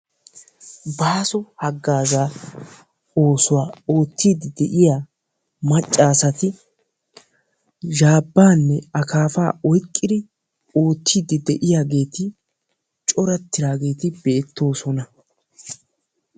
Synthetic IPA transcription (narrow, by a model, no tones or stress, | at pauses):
baːsɔhɐɡːaːzaː | o̞ːsʊwaːo̞ːt̪ːiːd̪ɪd̪ɛʔɪjaː | mɐt͡ʃʼːaːsɐt̪ɪ | ʒaːbːaːnːɛɐkaːfa̰ːɔjkʼːɪd̪ɪ | o̞ːt̪ʰːiːd̪ɪd̪ɛʔɪjaːɡe̞ːt̪ɪ | t͡ʃʼɔɾɐt̪ːɪɾaːɡe̞ːt̪ɪbeːt̪ːo̞ːsɔnɐ